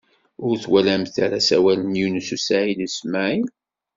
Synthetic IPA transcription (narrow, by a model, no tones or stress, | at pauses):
ʊɾθwælæmθaɾasæwælənjunəsusaʕilismaʕi